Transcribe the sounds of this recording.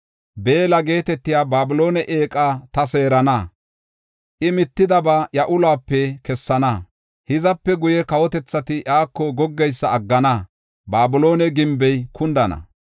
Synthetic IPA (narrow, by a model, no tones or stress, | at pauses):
be̞ːlɐɡe̞ːt̪ɛt̪ːɪjaːbaːbʊlo̞ːnɛʔe̞ːkʼaːt̪ɐse̞ːɾɐnɐ | ʔɪmɪt̪ːɪd̪ɐbaːjɐʔʊlaːpːɛkɛsːɐnɐ | hɪzɐpːɛɡʊjɛkɐwɔt̪ɛt͡sːɐt̪ɪʔaːkːɔɡɔɡːɛjsːɐɐɡːɐnɐ | baːbʊlo̞ːnɛɡɪmbɛjkʰʊnd̪ɐnɐ̰